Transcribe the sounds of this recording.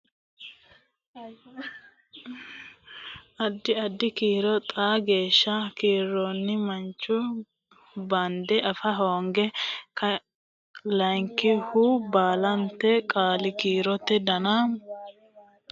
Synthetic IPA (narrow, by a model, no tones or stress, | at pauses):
ʔɐd̪ːɪɐd̪ːɪkiːɾɔt̪ʼaːɡe̞ːʃːɐkiːɾːɔnːɪmɐnt͡ʃːʊ | bɐnd̪ɛʔɐfɐɦoːŋɡɛkɐ | lɐjŋkɪhubaːlɐnt̪ɛkʼaːlɪkiːɾɔt̪ːɛd̪ɐnɐ